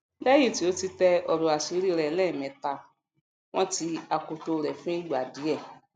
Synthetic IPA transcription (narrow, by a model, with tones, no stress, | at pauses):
la˦ji˦˨ti˨˦o˨˦ti˧˦tɛ˧ɔ˧ɾo˨a˨si˨˦ɾi˦˧ɾɛ˨˦lɛ̃˦˨mɛ̃˨˧˦ta˧ | w̃ɔ̃˦ti˧a˧ko˧to˧ɾɛ˨fũ˦i˦ɡ͡ba˨di˨˦ɛ˦˨